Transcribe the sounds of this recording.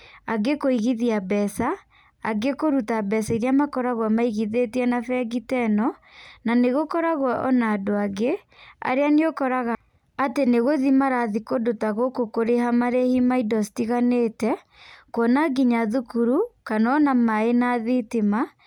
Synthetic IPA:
aɡekoiɣiðiabɛsa̰ː | ɡekoɾutabɛsaiɾiamakɔɾaɣwamaiɣiðetiɛnafɛɡitɛnɔ | naneɣokɔɾaɣwɔʔɔnaːdoaɡe | a̰ɾeaneokɔɾaɣa | ateneɣoðimaɾaðikodotaɣokokoɾeɦamaɾehimaidɔsitiɣaneːtɛ | kwɔnaɡiɲaðukuɾukanɔːnamaenaðitema

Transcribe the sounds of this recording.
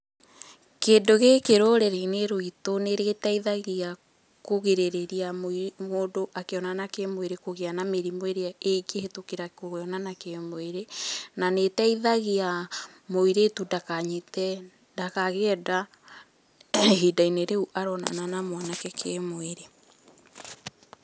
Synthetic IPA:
keːdoɣekeɾoɾɛɾaineɾoitoneɾeɣetaiðaɣia | koɣeɾeɾeɾiamoimoːdoʔakeɔnanakemweɾekoɣeanameɾimweɾeaeikehetokeɾakoɣeɔnanakemoeɾenanetaiðaɣia | moiɾetundakaɲitɛ | dakaɣeɛda | hidaineɾeuʔaɾɔna̰nanamwanakɛkʰɛmoeɾe

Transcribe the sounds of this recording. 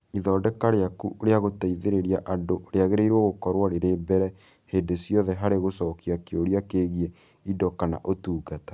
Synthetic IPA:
iðɔːdɛkaɾeakṵoɾeaɣotaiðeɾeɾiaʔadoʔoɾeaɣeɾeiɾwɔɣokɔɾwaɾeɾeːbɛɾɛ | hedesjɔðɛɦaɾeɣosɔkiakeoɾjakeɣiɛ | idɔkana̰ʔotuːɡatḁ

